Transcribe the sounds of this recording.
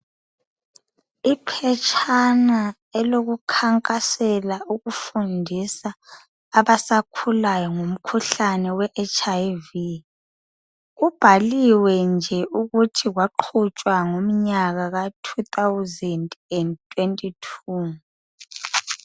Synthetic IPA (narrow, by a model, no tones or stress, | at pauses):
ipʰɛt͡ʃʰʼana | ɛloɣukʰaŋkʼasɛlaʔuɣufundʱisaː | βasakʰulajɔŋom̩kʰuɬanɛwɛʔɛt͡ʃʼajvi | ɣub̥ʱaliwɛnd͡ʒʱɛʔuɣutʰiɣwaǃʰut͡ʃʼwaŋom̩ɲaɣaɣatʰuθawzɛndɛndtʰʼwentʼitʰuː